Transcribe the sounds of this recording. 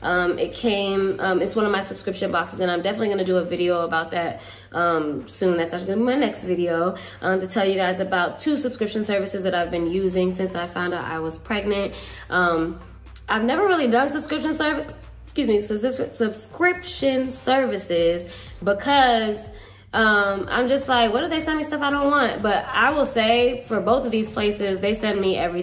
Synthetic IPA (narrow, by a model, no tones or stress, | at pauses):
ʔʌ̃mɪt̚kʰẽɪ̃mʌ̃mɨtswʌ̃nʌvmaɪsɨb̥skɹɪpʃɨ̃nbɑksɨzɨ̃ñãɪ̃mdɛfənətˡliɡʌnɨdɨəvɪɾioʊəbaʊt̪̚ðɨt̚ | ʔʌ̃msʉ̃nðætsaʃəl̩ˠiɡʌnəbimaɪnɛkstvɪɾioʊ | ʔʌ̃mtɨtʰɛlˠjɨɡaɪzɨbaʊtʰʉsɨb̥skɹɪpʃɨ̃n̩sɜ˞vɨsɨzðɨɾaɪvbɨ̃njʉzɪ̃ŋsɪ̃nsaɪ̥fãʊ̃ndɨɾʔa̰ɪwʌz̥pʰɹ̥ɛɡ̚nɨ̃nt̚ | ʔʌ̃m | ʔaɪvnɛvə˞ɹɪlˠidʌ̃nsɨb̥skɹ̥ɪpʃɨ̃nsɜ˞vɨs | skjʉzmisɨssɨb̥skɹɪpʃɨ̃nsɜ˞vɨsɪz | bəkʰʌz | ʔʌ̃mʔã̰ɪ̃md͡ʒʌst̚ˡlaɪkwʌt̚d̥ɨðeɪsɛ̃nmistʌfaɪɾõʊ̃nʔwɑ̃nt̚b̥ʌɾa̰ɪwəlˠseɪfə˞boʊθʌvðiz̥pʰl̥eɪsɪzðeɪsɛ̃nmiʔɛvɹi